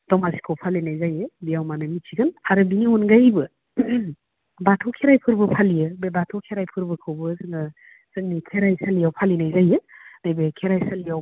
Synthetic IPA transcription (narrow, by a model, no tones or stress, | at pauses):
d̥ɔmasi̥kʰɯwpʰalinajzajebijawmanɯmit͡ʃʰiɡɯnaɾɯbiniɔnɡajbɯ | batʰɔkʰeɾajpʰɯɾbɯpʰalijɯbebatʰɔkʰeɾajpʰɯɾbɯkʰɯwbɯzɯnɯ | sɯŋnikʰeɾajsalijawpʰalinajzajɯnajbekʰeɾajsalijaw